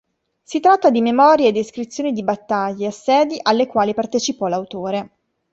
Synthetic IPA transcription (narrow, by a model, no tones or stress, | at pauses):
sit̪ːɾat̪ːad̪imemɔːɾjeːd̪ːeskɾit̪sːjoːnid̪ibat̪ːaʎːeasːɛːd̪iʔalːekwaːlipart̪et͡ʃipɔlawt̪oːɾe